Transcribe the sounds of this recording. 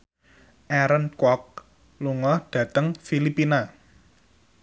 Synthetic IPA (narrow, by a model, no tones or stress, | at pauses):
ʔɛɾənkwɔk̚ | luŋɔhɖ̥ä̤t̪əŋfilipina